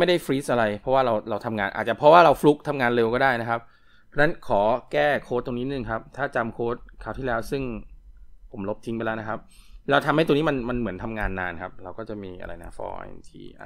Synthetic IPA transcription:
ma˥˩jda˥˩jfɾiː˦˥sʔa˧ɾa˧jpʰɔ˦waː˥˩ɾa˧wɾa˧wt̪ʰa˧mŋaː˧nʔa̰˨˩t̪̚t͡ɕa˨˩pʰɾɔ˦˥waː˥˩ɾa˧wflu˦˥k̚t̪ʰa˧mŋaː˧nleː˧wkɔː˥˩daː˥˩jna˦˥kʰa˦˥p̚pʰː | ɔ˦˥na˦˥nkʰɔː˩˦kɛː˥˩kʰoː˦˥t̪̚ːo˧niː˦˥nɯ˧˩ŋkʰa˦˥p̚t̪ʰaː˥˩t͡ɕa˧mkʰoː˦˥t̪̚kʰaː˨˩wt̪ʰiː˥˩lɛː˦˥wsɯ˥˩ŋ | pʰo˩˦mlo˦˥p̚t̪ʰi˦ŋpa˧jlɛː˦˥n˦kʰa˦˥p̚lwt̪ʰa˧mha˥˩jt̪ːni˦˥ma˧nma˧nmɯ˩˦ənt̪ʰa˧mŋaː˧nːaː˧nkʰa˦˥p̚ɾa˧wkɔː˥˩t͡ɕa˨˩ʔmiː˧ʔa̰˧ɾa̰˧jna̰˦˥fɔ̰ː˧ḭ˧t̪ʰḭː˧˩a̰˨˩

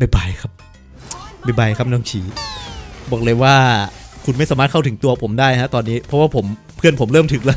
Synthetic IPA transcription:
ba˧˩jba˧˩jkʰa˦˥p̚ | ba˧˩jba˧˩jkʰa˦˥p̚nɔː˥˩ŋt͡ɕʰiː˩˦ | bɔː˨˩k̚lɤː˧jwaː˥˩kʰu˧nma˥˩jsaː˩˦maː˥˩t̚kʰa˥˩wt̪ʰɯ˩˦ŋt̪u˧ɐpʰo˩˦mdaː˥˩jʰa˦˥t̪ɔː˧nːiː˦˥pʰɾɔ˦˥waː˥˩pʰo˩˦m | pʰɯ˥˩ənpʰo˨˩˦mɾɤː˥˩mt̪ʰɯ˨˩˦ŋlɛ˦˥

